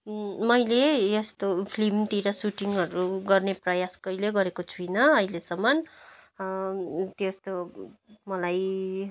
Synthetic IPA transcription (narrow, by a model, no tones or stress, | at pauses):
mʌjlejʌst̪opʰlimt̪iɾʌsuʈiŋʌɾuɡʌrneprʌjaskʌjleɡʌɾekot͡sʰujnʌʌjlesʌmʌn | t̪jest̪omʌlaj